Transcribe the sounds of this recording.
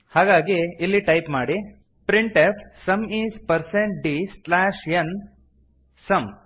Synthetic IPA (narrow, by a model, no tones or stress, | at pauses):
haːɡaːɡiilːiʈɐjpmaːɽi | pɾiɳʈepʰsɐmiːzpɐɾseɳʈ̚ɖislaːʃjɐn | sɐm